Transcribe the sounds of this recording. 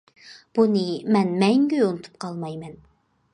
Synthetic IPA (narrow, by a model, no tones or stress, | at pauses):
b̥unɨmɛnmɛŋɡʲyjonɨt̪ʰu̥p̚qʰɑlˠmɑjmɛn